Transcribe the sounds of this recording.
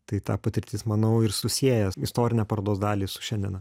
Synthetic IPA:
t̪ɐɪt̪ɑ̰ːpɐt̪ʲɪɾʲt̪ʲɪːsmɐnɐʊɪɾsʊsʲiɛjɛɪst̪oːɾʲɪnʲɛːpɐɾɐd̪oːsd̪ɑːlʲiːsʊ̥ʃʲɛnʲd̪ʲiɛ̰nɐ

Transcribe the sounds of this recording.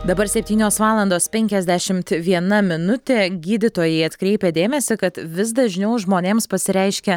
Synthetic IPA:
d̪ɐbɐɾsʲɛpʲt̪ʲiːnʲoːsʋɑːlˠɐnd̪oːspʲɛŋʲkʲɛzʲd̪ʲæʃʲɪmt̪ʋʲiɛnɐmʲɪnʊt̪ʲeːɡʲiːd̪ʲɪt̪oːjɛɪɐt̪kɾʲɛɪpʲed̪ʲeːmʲɛsʲɪkɐt̪ʋʲɪs̬d̪ɐʒʲnʲɛʊʒmoːnʲeːmspɐsʲɪɾʲɛɪʃʲkʲɛ

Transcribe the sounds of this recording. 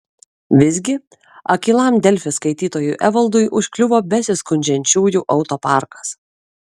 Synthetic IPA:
ʋʲɪzʲɡʲɪ | ɐkʲiːlˠɑˑmd̪ʲɛlʲfʲɪskɐɪt̪ʲiːt̪oːjuːʔɛʋɐlˠd̪ʊjʔʊʃʲkʲlʲʊʋoːbʲɛsʲɪskʊnʲd͡ʒʲɛnʲt͡ʃʲuːjuːʔɒʊt̪oːpɑˑɾkɐ̥s

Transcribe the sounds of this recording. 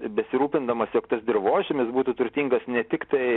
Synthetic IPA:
bʲɛsʲɪɾuːpʲɪnd̪ɐmɐsjoːkt̪ɐsd̪ʲɪrʋoːʒʲɪmʲɪsbuːt̪ut̪ʊɾʲt̪ʲiːŋɡɐsnʲɛt̪ʲɪkt̪ɐɪ

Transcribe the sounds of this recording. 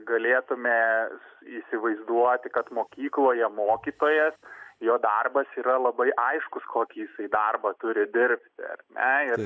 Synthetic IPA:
ɡɐlʲeːt̪ʊmʲɛ | iːsʲɪʋɐɪzd̪uɔt̪ʲɪkɐt̪moːkʲiːklˠoːjɛmoːkʲiːt̪oːjɛsjoːd̪ɐrbɐsiːɾɐlˠɐbɐɪʔɐɪʃkʊskʰoːkʲiːjɪsɐɪd̪ɐrbɐt̪ʊɾʲɪd̪ʲɪɾʲpʲt̪ʲɪɐ̰rnʲʔɛɪr

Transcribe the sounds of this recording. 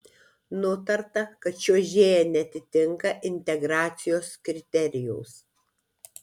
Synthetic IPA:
nʊt̪ɐɾt̪ɐkɐt̪ʃʲuɔʒʲeːjɛnʲɛɐt̪ʲɪt̪ʲɪŋkɐʔɪnʲt̪ʲɛɡɾɑːt̪sʲɪjoːskɾʲɪt̪ʲɛɾʲɪjɛʊs

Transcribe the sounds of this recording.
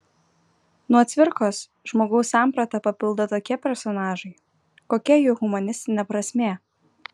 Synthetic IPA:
nuɔt̪ʲʋʲɪɾkoːs | ʒ̥moːɡɐʊsːɑˑmpɾɐt̪ɐpɐpʲɪlˠd̪ɐt̪oːkʲiɛpʲɛɾsɔnɑːʒɐɪ | koːkʲiɛjɛʊɣʊmɐnʲɪsʲt̪ʲɪnʲɛpɾɐsʲmʲeː

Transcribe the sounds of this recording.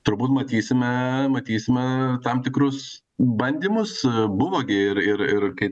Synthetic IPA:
t̪ʊɾbuːt̪mɐt̪ʲiːsʲɪmʲɛmɐt̪ʲiːsʲɪmʲɛt̪ɐmt̪ʲɪkɾʊs | bɐnʲd̪ʲiːmʊsbʊʋoːɡʲɪɪɾɪɾɪɾkɐɪ

